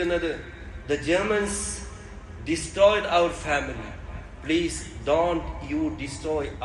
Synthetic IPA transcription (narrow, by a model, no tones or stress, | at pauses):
ənɐd̪ə | d̪əd͡ʒəɾmə̃ns | ɖɪsʈɾɔːɪɖaəɾfæmilḭ | pliːzdõːɳʈjuːɖɪsʈɾɔːj